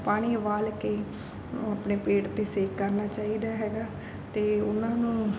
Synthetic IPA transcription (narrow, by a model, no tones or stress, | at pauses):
paːɽ̃iːʋaːlkeː | apneːpeːʈt̪eːseːkːəɾnaːt͡ʃaːiːd̪aːɦɛːɡaː | t̪eːʊnãːnũː